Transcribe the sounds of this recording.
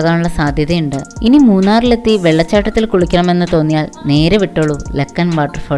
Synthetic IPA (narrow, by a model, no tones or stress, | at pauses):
ɣaːnuɭːɐsaːd̪ʱjɐðɐjuɳɖɨinimuːnːaːrile̞t̪ːiʋe̞ɭːɐt͡ɕːaːʈːɐt̪ːilkuɭukʲːɐɳɐme̞nːɨt̪o̞ːnːijaːlne̞ːɾeʋiʈːoːɭːulekːɐnʋaːʈːɐrfo